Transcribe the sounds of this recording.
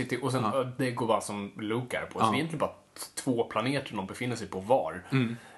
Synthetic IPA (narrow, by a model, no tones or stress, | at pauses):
ɪt̪ːɪʔɔs̬ɛnd̪ɛɡoːɾbɑːɾasɔmlʉːkæ̰ɾpʰɔɔnɛjɛnt̪lɪnbɑːa | t̪ʰv̥oːpʰlaneːt̪əɳɔmbɛfɪnːəʂɛjpʰɔvɑ̰ːɾ